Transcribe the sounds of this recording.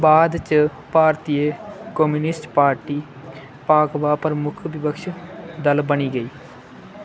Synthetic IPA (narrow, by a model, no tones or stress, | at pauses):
baːd̪t͡ʃ | paːɾt̪iːekɔmuːnɪsʈpaːɾʈiː | paːkʋaːpəɾmʊkʰʋɪpəkʃd̪əlbəñiːɡəiː